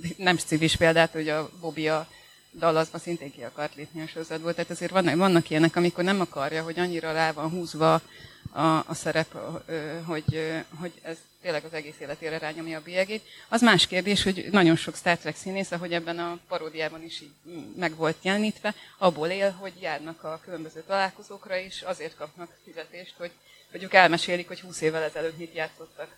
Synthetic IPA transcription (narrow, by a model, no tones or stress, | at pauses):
nɛmʃt̪siviʃpeːld̪aːt̪oɟɒbo̞bijɒ | d̪ɒlɒzbɒnsint̪eːŋkiɒkɒrt̪leːpniɒʃo̞ɾozɒd̪boːlt̪aːt̪ɛzeːrʋɒnvɒnːɒkijɛnɛkɒmiko̞rnɛmɒkɒrjɒɦo̞ɟɒɲːiɾɒlaːvɒnɦuːzʋɒ | ɒːsɛɾɛpøɦo̞ɟɦo̞ɟɛz̥ | t̪eːlɛɡɒzɛɡeːseːlɛt̪eːɾɛɾaːɲo̞mjɒːbiɛɡeːt̪ɒzmaːʃkeːrd̪eːʃho̞ɟnɒɟo̞nʃo̞kst̪aːrt̪rɛksiːneːsɒɦo̞ɟɛbːɛnɒpɒɾoːd̪ijaːbɒniʃiːɟmɛɡʋo̞lt̪jɛlniːt̪ʋɛɒbːoːleːlɦo̞ɟjaːrnɒkɒkylømbøzøːt̪ɒlaːlko̞zoːkrɒeːʃɒzeːrt̪̚kɒp̚nɒkfizɛt̪eːʃt̪ho̞ɟ̥ | ho̞ɟøːkɛlmɛʃeːlikho̞chuːseːvːɛlɛzɛløːt̪mit̪jaːt̪so̞t̪ːɒk